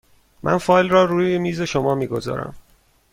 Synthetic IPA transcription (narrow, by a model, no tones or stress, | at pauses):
mʔæ̰nfɒːjlrɒːɾuːjemiːze̞ʃomɒːmiːɡo̞zɒ̰ːɾæ̰m